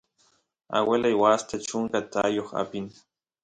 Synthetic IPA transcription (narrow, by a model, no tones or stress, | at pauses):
a̰welʔajwast̪at͡ʃʊŋkat̪ajoχa̰pin